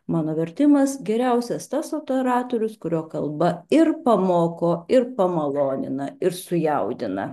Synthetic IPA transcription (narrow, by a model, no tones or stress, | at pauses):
mɑːnoːʋʲɛɾʲt̪ʲɪmɐsɡʲɛɾʲɛʊsʲɛst̪ɐsoːpʲɛɾɑːt̪oɾʲʊskʊɾʲoːkɐlˠbɐɪɾpɐmoːkoːɪɾpɐmɐlˠoːnʲɪ̰nɐɪɾsʊjɛʊd̪ʲɪnɐ̰